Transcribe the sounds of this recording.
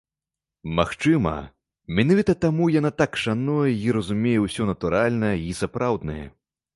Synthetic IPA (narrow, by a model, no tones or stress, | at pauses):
maxt͡ʂɨmɐ̰ | mʲinavʲit̪ɐt̪amujanat̪akʂanɔjɐiɾɐzumʲejɛwsʲɔnɐt̪uɾalʲnɐjɐisapɾawd̪nɐjɛ̰